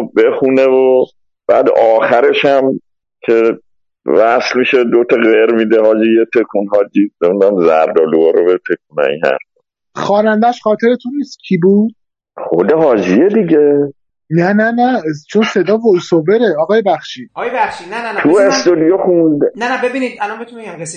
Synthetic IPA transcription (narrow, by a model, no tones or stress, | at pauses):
bexunevo | b̥æːd̪ɒːxæɾe̞ʃæm | kʰe̞ | væslmiʃed̪ot̪ʰɒɣeɾmid̪eɦɒːd͡ʒijet̪ʰekʰunɦɒːd͡ʒimemnd̪æmzæɾd̪ɒːluɒːɾobet̪ʰekʰunæ̰ḭnhæ̰ɾfɔ̥ | xɒːnænd̪æʃχɒːt̪ʰe̞ɾet̪ʰunːiːst̪cʰibuːd̪̥̚ | χo̰d̪eɦɒːd͡ʒied̪iɟe | nænænæt͡ʃʰonse̞d̪ɒːvosoveɾe̞ɒːɣɒːjebæχʃiːjæʃinæt̪ʰuest̪od̪ijoxund̪nææbebinid̪ælɔnbet̪ueæm